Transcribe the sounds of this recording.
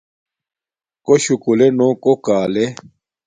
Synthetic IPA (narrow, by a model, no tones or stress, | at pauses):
koɕukulenoːkokaːle